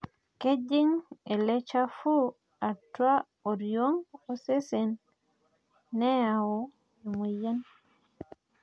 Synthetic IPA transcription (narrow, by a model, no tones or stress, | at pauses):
ked͡ʒiŋɛlɛt͡ʃafu | atːwa | oɾioŋɔsɛsɛn | ɛjawɔ | ɛmujan